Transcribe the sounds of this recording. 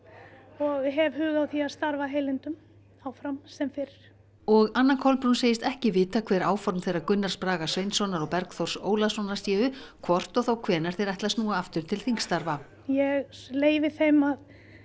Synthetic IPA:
ɔɣɦɛvhʏːɣawθiaðst̪aɾvaɦejlɪnt̪ʏm | awfɾamsɛmfɪɾɪ̥ | ɔɣanːakʰɔlpɾunseːjɪst̪ɛhcɪvɪːt̪akʰvɛːɾaːwfɔɾmθejrakʏnːaɾ̥spɾaːɣasvejnsɔnaɾɔpɛɾkθowr̥soːwlasɔnaɾ̥sjɛːvʏkʰvɔr̥t̪ɔɣθawkʰvɛːnɛɾ̥θeɾajht̪lasnuːaaft̪ʏɾ̥t̪ʰɪlθiŋkst̪aɾva | jɛɣleːjvɪθejmað

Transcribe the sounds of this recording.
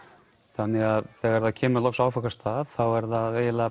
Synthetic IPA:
θanːɪɣaðθɛːɣɛɾðacʰɛːmʏlɔxksaːwfakast̪aːðθawɛɾðaðeːjla

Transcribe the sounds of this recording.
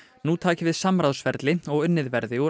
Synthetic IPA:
nut̪ʰaːcɪvɪðsamɾawsfɛɾt̪lɪɔɣʏnːɪðvɛɾðɪɔ

